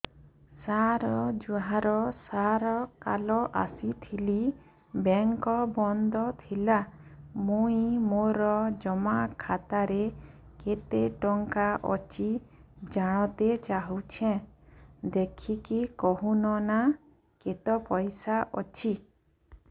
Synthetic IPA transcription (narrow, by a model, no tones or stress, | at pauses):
saɾɔd͡ʒuɦaɾɔsaɾɔkalɔʔa̰sit̪ʰili | beŋkɔbɔnd̪ɔt̪ʰilamuĩmoɾɔd͡ʒɔmakʰat̪aɾe | ket̪eʈɔŋkaʔɔ̰t͡ʃʰid͡ʒaɽ̃ɔt̪et͡ʃaɦut͡ʃʰẽ | d̪ekʰikikɔɦunɔna | ket̪ɔpɔjsaʔɔt͡ʃʰi